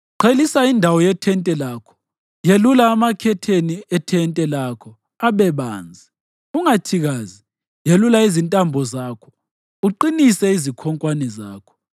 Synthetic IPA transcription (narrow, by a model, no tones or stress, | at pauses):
ǃʰelisaindʱawɔjɛtʰɛntʼɛlaːkʰɔ̥ | jelulaːmakʰɛtʰeniɛtʰɛntʼɛlakʰɔ | aβɛβa̰ːnd͡zʱi | uŋatʰiɣazi | jelulaizintʼambʱɔzakʰɔ̥ | uǃinisɛizikʰɔŋkʼwanɛzaːkʰɔ̥